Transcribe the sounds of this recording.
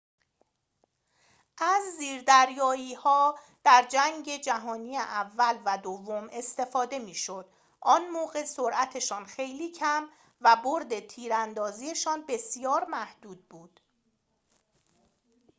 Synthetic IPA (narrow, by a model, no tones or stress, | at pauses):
ʔæzːiːɾd̪æɾjɒːjiːhɒː | d̪̥æɾd͡ʒæŋɟe̞d͡ʒæɦɒːniːeʔævːælvæd̪ovːo̞me̞st̪e̞fɒːd̪e̞miːʃo̞d̪̥ | ʔɒːnmoːɣe̞soɾʔæt̪ʰe̞ʃɒːnxe̞jliːcʰæm | væboɾd̪e̞t̪ʰiːɾænd̪ɒːziːe̞ʃɒːnbe̞sjɒːɾmæhd̪̥uːd̪̥̚buːd̪̥